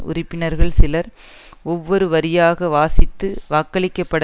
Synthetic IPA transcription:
ʊ̰rɪpːɪnɐɾɣɐɭsɪlɐɾ | ɔʋːɔɾɯʋɐɾɪjaːɣɐʋaːsɪt̪ːɯʋaːkːɐɭɪkːɐpːɐɽɐ

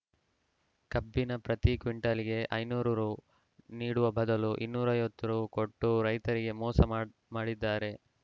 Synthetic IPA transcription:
kɐbːinɐpɾɐt̪ikʋiɳʈɐliɡe̞ʔɐjnuːɾɐɾu | niːɽuʋɐbʱɐd̪ɐluʔinːuːɾɐjʋot̪ːɐɾuːko̞ʈːuɾɐjt̪ɐɾiɡe̞mɔːsɐ | maːɽid̪ːaːɾe̞

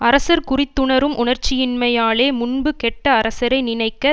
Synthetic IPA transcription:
ɐɾɐsɐɾkʊrɪt̪ːɯɳɐɾɯmʔʊɳɐɾt͡ʃːɪjɪnmɐjaːleːmʊnbɯkɛʈːɐːɾɐsɐɾɐɪnɪnɐɪkːɐ

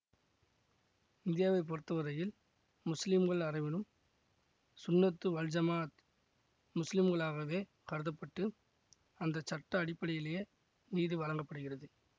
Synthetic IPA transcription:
ɪnd̪ɪjaːʋɐɪpːɔɾt̪ːɐʋɐɾɐjɪl | mʊslɪmɣɐɭɐrɐɪʋɪnɯm | sʊnːɐt̪ːɯʋɐld͡ʒɐmaːt̪ | mʊslɪmɡɐɭaːɣɐʋeː | kɐɽɯðɐpːɐʈːɯ | ɐnd̪ɐt͡ʃɐʈːɐːɽɪpːɐɽɪjɪlɐjɐ | niːðiʋɐlɐŋɡɐpːɐɽɯɣɪrɐðɯ

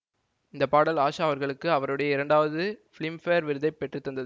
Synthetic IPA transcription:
ɪnd̪ɐpːaːɽɐlaːʂaːʋɐɾɣɐɭɯkːɯɐʋɐɾɯɽɐjɐɪɾɐɳɖaːʋɐðɯfɪɭɪmfeːɾʋɪɾɯðɐɪpːɛʈrɯt̪ːɐnd̪ɐðɯ

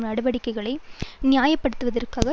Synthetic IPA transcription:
mnɐɽɯʋɐɽɪkːɐɪɣɐɭɐɪnɪjaːjɐpːɐɽɯt̪ːɯʋɐðɐrkaːɣɐ

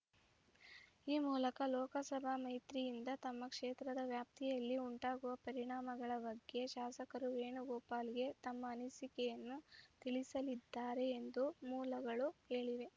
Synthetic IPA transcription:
iːmuːlɐkɐlɔːkɐsɐbʱamɐjt̪ɾijind̪ɐt̪ɐmːɐkʂeːt̪ɾɐd̪ɐʋjaːp̚t̪ʰijɐlːiuɳʈaːɡuʋɐpɐɾiɳaːmɐɡɐɭɐbɐɡjeʃaːsɐkɐɾuʋe̞ːɳuɡɔːpaːliɡe̞t̪ɐmːɐːnisikɛjɐnːut̪iɭisɐlid̪ːaːɾe̞ːnd̪umuːlɐɡɐɭuheːɭiʋe̞

